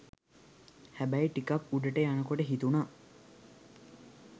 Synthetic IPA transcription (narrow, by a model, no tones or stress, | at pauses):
hæbæjʈikapuɖəʈəjanəkoʈəɦit̪unaː